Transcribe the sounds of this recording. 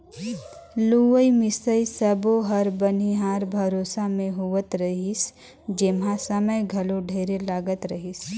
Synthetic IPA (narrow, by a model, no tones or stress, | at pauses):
luʋəimɪsəisɐboɦɐɾbɐniɦaːɾbʱɐɾoːsamẽɦuʋət̪ɾɐɦis | d͡ʒemɦãsəməjɡʱɐlõɖʱeːɾelaːɡət̪ɾɐɦis